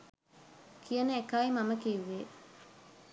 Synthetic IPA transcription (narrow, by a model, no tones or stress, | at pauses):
kʰijɐnəekaːimɐməkiʋːe